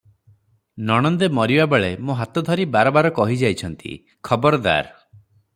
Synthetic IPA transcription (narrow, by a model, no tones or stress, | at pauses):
nɔɽ̃ɔnd̪emɔɾibabeɭemoɦat̪ɔd̪ʱɔɾibaɾɔbaɾɔkɔɦid͡ʒajt͡ʃʰɔnt̪ḭ | kʰɔbɔɾɔd̪a̰ɾ